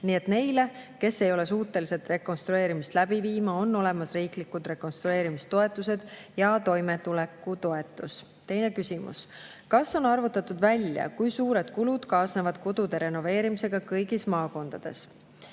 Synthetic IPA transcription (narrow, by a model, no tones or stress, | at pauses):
niːe̞t̪ne̞jle̞ke̞sːe̞jo̞le̞suːt̪ːˑe̞lise̞t̪ˑre̞ko̞nst̪ɾue̞ːɾimist̪læb̥iviːmɑo̞nːo̞le̞mɑsriːklikːud̪re̞ko̞nst̪ɾue̞ːɾimist̪o̞e̞t̪ːˑuse̞d̪̥jɑt̪o̞jme̞t̪ule̞kːˑut̪o̞e̞t̪ːˑus | t̪e̞jne̞kysʲimṵskɑsːo̞nɑrvut̪ːˑɑt̪ːˑud̪vælʲjɑ̰kujsuːɾe̞d̪̥kulud̪̥kɑːsnevɑd̪̥ko̞d̪̥ud̪e̞ɾe̞no̞ve̞ːɾimise̞ɡ̥ɑkɤjɡismɑːko̞nd̪̥ɑd̪̥e̞̰s